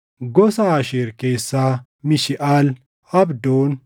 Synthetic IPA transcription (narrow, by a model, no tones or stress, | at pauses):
ɡɔsaːʃeɾkeːsːaː | mɪʃɪʔaːl | ɐbd̪oːn